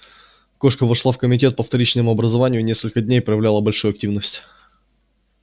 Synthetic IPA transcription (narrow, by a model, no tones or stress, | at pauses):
ko̞ʂkəvɐʂlˠafkəmʲɪtʲe̞t̪̚pəft̪ɐɾʲit͡ɕlnəmʊɐbɾəzɐvanʲɪjʊnʲe̞skəlʲkədʲnʲejpɾəjɪvlʲalˠəbɐlʲʂujʊɐk̚tʲivnəsʲtʲ